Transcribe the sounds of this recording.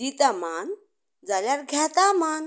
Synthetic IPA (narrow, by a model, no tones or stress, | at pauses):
it̪aman | d͡zaljaɾɡʱɛt̪aman